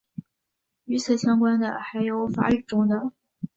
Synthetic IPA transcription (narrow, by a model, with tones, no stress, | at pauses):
y˧˥t͡sʰɹ̩˥˩ɕjɑ˥ŋkwa˥nd̪ə̰˨xa˧˥ɪjo˧˥ʊfa̰˧˥y˥˩ʈ͡ʂʊ˥ŋd̪ə˨